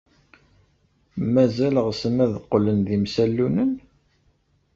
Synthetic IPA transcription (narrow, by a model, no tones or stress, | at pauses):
mæzæləʁsəmæðəqːlənðimsælːunən